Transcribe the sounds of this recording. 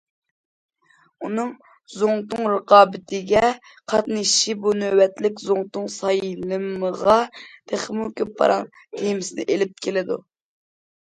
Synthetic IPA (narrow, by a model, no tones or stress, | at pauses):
unɨŋ | zoŋt̪ʊŋɾɨqɑːbɪt̪ʰɪɡʲɛ | qʰɑt̪nɨʃibunøwɛt̪lɪkʲzoŋt̪ʊŋsɑjlɨməʁɑt̪ʰeχmukʲøpʰːɑ̰ɾɑŋ | t̪ʰejmɪsɪnɪ̰ʔelɪp̚kʲʰelɪd̪ṵ